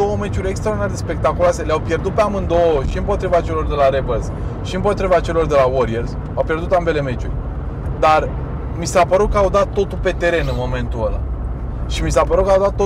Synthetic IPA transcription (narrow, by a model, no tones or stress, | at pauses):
o̞wəme̞t͡ʃuɾʲekst̪ɾaoɾd̪inaɾd̪espe̞k̚t̪akuloase̞leawpje̞rd̪ut̪̚peamɨnd̪o̞əʃiɨmpo̞t̪ɾivat͡ʃe̞lo̞rd̪e̞laɾebəlz | ʃiɨmpo̞t̪ɾivat͡ʃe̞lo̞rd̪e̞lawoɾierz | awpje̞rd̪ut̪ambe̞le̞me̞t͡ʃurʲ | d̪ar | misapəɾut̪̚kəawd̪at̪ːo̞t̪ulpe̞t̪e̞ɾe̞nɨnmo̞me̞nt̪uəla̰ | ʃimisapəɾut̪kəawd̪at̪ːo